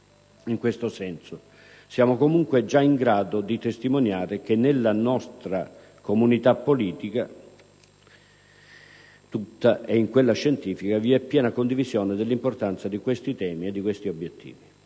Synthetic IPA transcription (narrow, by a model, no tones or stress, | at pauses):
iŋkwest̪osɛnso | sjaːmokomuŋkwed͡ʒaiŋɡɾaːd̪od̪it̪est̪imonjaːɾɪk̟enːelːanɔst̪ɾa | komunit̪apːoliːt̪ika | t̪ut̪ːaʔɛiŋkwelːaʃɛnt̪iːfikaviɛpːjɛːnakond̪ivizjɔːnɪd̪elːimport̪ant̪sad̪ikwest̪it̪ɛːmiɛd̪ːikwest̪iobːjet̪ʰːḭːvi